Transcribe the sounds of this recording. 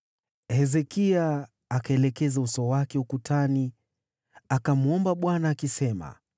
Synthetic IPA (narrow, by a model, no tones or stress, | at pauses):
hɛzɛkiaː | kaɛlɛkɛzausɔwakɛukutʰani | akamuɔmbaɓwanaːkisɛma̰